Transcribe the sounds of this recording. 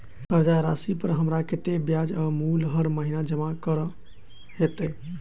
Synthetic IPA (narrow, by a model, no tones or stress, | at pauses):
əɾd͡ʒaɾasipəɾɦəmɾaket̪ebjad͡ʒamulɦəɾməɦinad͡ʒəmakəɾ | ɦet̪ɛ